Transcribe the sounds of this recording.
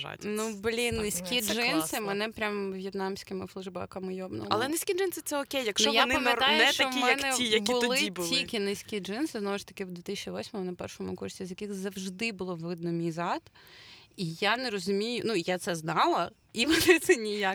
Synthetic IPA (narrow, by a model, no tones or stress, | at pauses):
ʒa̰nublʲinnɪsʲkʲiʒɪnsɪmɛnɛpɾʲamʋʲjɐt̪nɑmsʲkɪmɪflˠʊʒbɑ̰kɐmɪjɔbnɔ̰ɐ̰lˠɛnɪsʲkʲid͡ʒɪnsɨt̪ɛɔkʲejjɐkʃnt͡ʃɔjɔnɪpɐmɪtanj̪ɛt͡ʃ̪ɐɔimjɐnk̪ɛijɐbʊlˠɪbʊtlˠʲiɪlʲkʲinɪsʲkʲid͡ʒɪnsɪznɔʋʊʂt̪ɐ̥kɪwd̪ʋʲet̪ɪsʲt͡ʃʲiʋɔsʲmɔmʊnɐpɛ̰rʃɔmʊ̰kursʲizʲjɐkɪxzɐwʒd̪ɪbʊlˠɔʋɪd̪̚nɔmʲijzɑt̪ | ijanɛɾɔzʊmʲijʊnujat̪sɛznɑlˠɐ | iʋɔnɪt̪sɛnʲijak